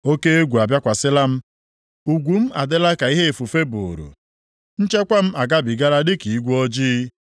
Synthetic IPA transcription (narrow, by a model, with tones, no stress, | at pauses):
o˦ke˦e˦ɡʷu˨a˨bja˦kʷa˨sɪ˦la˦m̩˦ | u˨ɡʷu˨m̩˦a̰˨de˦la˦ka˨i˦ɦe˦e˨fu˨fe˦bʊ˨ɾṵ˨ | n̩˦t͡ʃe˦kʷa˦m̩˦a˨ɡa˦bi˨ɡa˦ɾa˦dɪ˦ki˨i˦ɡʷu˦ɔ˦d͡ʒiː˦